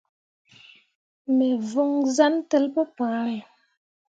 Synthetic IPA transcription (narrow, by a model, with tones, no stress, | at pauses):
mɛ˨vo˦ŋza˦ntə˦lpɔ˦pãː˨˦ɾɛ˨